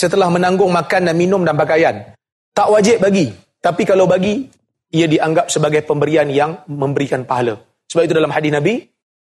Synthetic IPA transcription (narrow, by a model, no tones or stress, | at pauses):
sət̪əlahmə̃nãŋɡʊŋmakandanminʊ̃mdanpakajan | t̪aʔwad͡ʒɪʔ̚baɡi | t̪apikalawbaɡi | iadiʔaŋɡap̚səbaɡajpəmbəɾianjaŋmə̃mbəɾikanpaɦala | səbap̚it̪udalamhadɪsnãbi